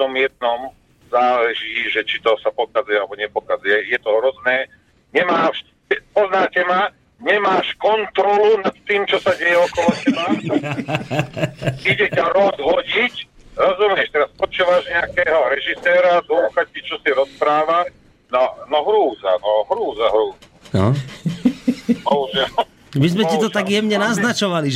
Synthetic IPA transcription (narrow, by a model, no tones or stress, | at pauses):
t̪ɔmjɛd̪̚nɔm | zaːlɛʒiːʒɛt͡ʃit̪ɔsapɔkad͡zujɛalɛbɔɲɛpɔkad͡zujɛjɛt̪ɔɦɾɔznɛː | ɲɛmaːʃ | ɛpɔznaːcɛma | ɲɛmaːʃkɔnt̪ɾɔlunat̪t̪iːmt͡ʃɔsaɟɛjɛɔkɔlɔtɛlat̪u | iɟɛcaɾɔzɦɔɟicɾɔzumɪɛʃt̪ɛɾaspɔt͡ʃuːʋaʒɲɛakɛːɦɔɾɛʒisɛːɾad̪uːxactit͡ʃɔsiɾɔspɾaːʋa | nɔnɔɦɾuːza̰nɔɦɾuːzaɦɾuːzanɔ̰ | bɔɦuʒɛlɔ | mizmɛtit̪ɔt̪aɡjɛmɲɛnaznat͡ʃɔʋaliʒ